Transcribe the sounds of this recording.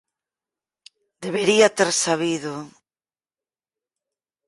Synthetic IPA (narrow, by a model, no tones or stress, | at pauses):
d̪eβeɾiat̪eɾsaβ̞iðʊ